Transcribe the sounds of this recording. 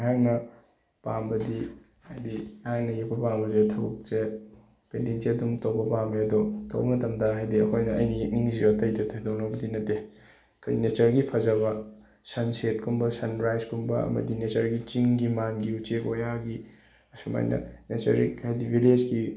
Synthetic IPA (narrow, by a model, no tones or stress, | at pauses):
ɦaŋnɐ | pambɐdi | hajdiaŋnɐjekpɐpambɐzetʰɐwk̚t͡ʃe | pendinsiɐdumtowbɐpameɐdɔtʰo̰wṵk̚nɐtʰɐmdaɦajdiɐkʰojnɐɐjniek̚niniziatɐjdɐtʰodonowbɐdinɐtːe | kʰjnet͡ʃɐɾɡipʰɐzɐβɐ | sɐnset̚kʰumbɐsɐnɾajzkʰumbɐɐ̰mɐ̰dinet͡ʃɐɾɡit͡ʃiŋɡimanɡiut͡ʃekojaɡi | ɐsuma̰jnɐ̰net͡ʃɐɾik̚hajdibʱiled͡ʒɡi